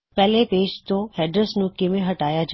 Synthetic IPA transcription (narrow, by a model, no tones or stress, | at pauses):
pɛɦlepeːd͡ʒt̪ohɛːɖɾəsnũkemẽɦɐʈaːjad͡ʒ